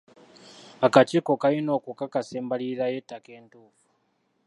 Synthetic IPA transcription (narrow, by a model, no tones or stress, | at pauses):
akat͡ʃiko̞kajino̞kukakaseːmbaliɾaje̞tːake̞ːntuːfu̥